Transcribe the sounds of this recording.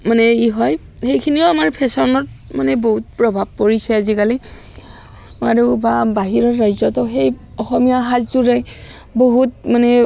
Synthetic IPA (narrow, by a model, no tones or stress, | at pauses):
manɛiɦɔj | xejkʰinioamaɹpʰɛsɔnɔt̚manɛboɦut̚pɹɔbʱab̚poɹisɛazikali | aɹubabaɦiɹɔɹɹajzɔtɔxejɔxɔmijaɦazzuɹɛj | boɦut̚manɛ